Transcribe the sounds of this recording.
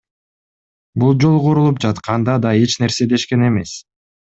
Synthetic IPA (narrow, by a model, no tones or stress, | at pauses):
bulˠd͡ʒo̞lˠʁoɾulˠup̚d͡ʒɑt̪qʰɑnd̪ɑd̪ɑe̞t͡ʃne̞ɾse̞d̪e̞ʃke̞ne̞me̞s